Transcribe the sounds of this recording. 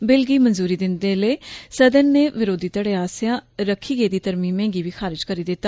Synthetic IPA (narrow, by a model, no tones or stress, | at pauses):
bɪlɡiːmənzuːɾiːd̪ɪnd̪eːləːsəd̪ənːeːʋɪɾoːd̪iːt̪əɽeːaːsjãːɾəkʰːiːɡeːd̪iːt̪əɾmiːmẽːŋɡiːʋiːxʰaːɾɪd͡ʒkəɾiːd̪ɪt̪ːaː